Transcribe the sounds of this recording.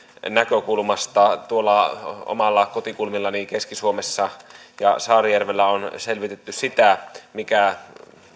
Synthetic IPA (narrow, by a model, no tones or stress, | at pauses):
nækøkulmɑst̪ɑt̪uolːɑo̰mɑlːɑkot̪ikulmilːɑnikeskisuomesːɑjɑ̰sɑːrijærʋelːæonselʋit̪et̪ːyssit̪æmikæ